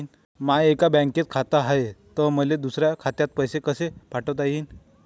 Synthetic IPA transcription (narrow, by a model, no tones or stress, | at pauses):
n | maekabə̃ŋket̪̚kʰat̪aɦaet̪əməled̪usɾjakʰat̪jat̪̚pəjsekəsepaʈət̪̬ajiːn